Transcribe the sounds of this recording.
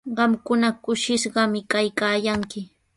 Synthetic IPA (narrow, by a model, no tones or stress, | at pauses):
ɢɑmkʊnakʊʃɪʃɢɑmɪkajkaːjaŋkɪ